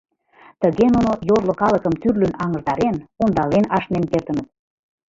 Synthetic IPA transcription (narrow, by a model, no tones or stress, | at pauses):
t̪əɣenunojoʒlokɑləkəmt̪yrlynɑŋəʒd̪ɑɾenond̪ɑlenɑʃnemkert̪ə̆nət̪̚